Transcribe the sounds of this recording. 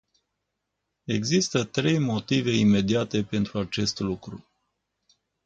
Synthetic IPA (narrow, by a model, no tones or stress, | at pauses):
e̞ɡzist̪ət̪ɾe̞jmo̞t̪ive̞ime̞d̪iat̪e̞pe̞nt̪ɾuat͡ʃe̞st̪lukɾu